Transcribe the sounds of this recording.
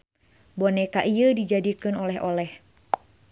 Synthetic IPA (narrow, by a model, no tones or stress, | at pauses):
bonɛkaʔiədid͡ʒadikɨnɔlɛɦo̰lɛh